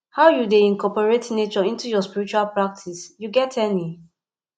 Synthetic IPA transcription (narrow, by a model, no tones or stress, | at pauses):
haʊjudeĩnkʰɔpɔɹetnet͡ʃɔĩntujɔspiɹit͡ʃualpɹak̚tʰisjuɡɛtʰɛni